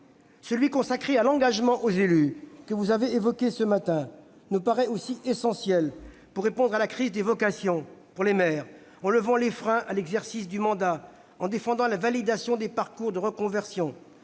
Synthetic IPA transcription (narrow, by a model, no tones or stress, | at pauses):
səlɥikɔ̃sakχealɑ̃ɡaʒmɑ̃ʔozelykəvuzaveevɔkʲesəmat̪ɛ̃ | nupaʁɛosiʔesɑ̃sjɛl | puʁːepɔ̃d̪ʁalakχizd̪evɔkasjɔ̃puʁlemɛːʁ | ɑ̃ləvɑ̃lefχɛ̃ʔalɛɡzɛʁsis̬d̪ymɑ̃d̪a | ɑ̃d̪efɑ̃d̪ɑ̃lavalid̪asjɔ̃d̪epaʁkuʁd̪əʁəkɔ̃vɛʁsjɔ̃